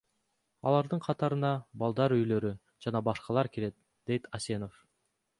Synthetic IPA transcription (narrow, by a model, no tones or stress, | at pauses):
ɑ̰lˠɑɾd̪ɯɴqʰɑt̪ɑɾɯnɑbɑlˠd̪ɑɾyjlø̞ɾy | d͡ʒɑnɑbɑʃqɑlˠɑɾkeɾe̞t̪̚ | d̪̥e̞jt̪ʰɑse̞no̞f